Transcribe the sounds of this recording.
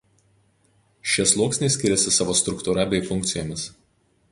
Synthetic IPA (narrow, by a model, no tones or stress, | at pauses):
ʃʲislˠuɔksʲnʲeɪsʲkʲɪɾʲɛsʲɪsɑːʋoːst̪ɾʊkt̪ʊɾɐbʲɛɪfʊŋʲk̚ʲt̪sʲɪjoːmʲɪs